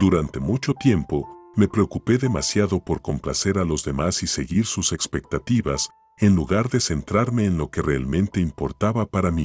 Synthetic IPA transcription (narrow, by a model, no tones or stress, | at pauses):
d̪̥uɾant̪e̞mut͡ʃo̞t̪je̞mpo̞me̞pɾe̞okupe̞ðe̞masjaðo̞po̞ɾko̞mpla̰se̞ɾalo̞zðe̞masise̞ɣiɾsuse̞kspe̞k̚t̪at̪iβas | e̞nluɣaɾðe̞se̞nt̪ɾaɾme̞ːnlo̞ke̞re̞almẽ̞nt̪e̞impo̞̰ɾt̪aβapaɾami